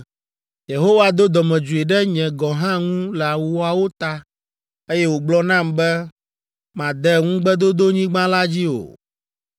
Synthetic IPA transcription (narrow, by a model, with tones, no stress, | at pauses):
je˨ɦo˦wa˨d̪o˦d̪ɔ˨mɛ̃˨d͡ʒu˨e˨ɖɛ˦ɲɛ̃˨ɡɔ̃˨ɦã˦ŋũ˦lɛ˨a˨wu˨wo˦a˨wo˦t̪a˦ | e˦jɛ˦wo˨ɡ͡blɔ˦nã˦˨mbɛ˦ | mã˨d̪ɛ˦ŋũ˦ɡ͡bɛ˦d̪o˦d̪o˦ɲĩ˦ɡ͡bã˦la˦d͡ʑi˦o̰˨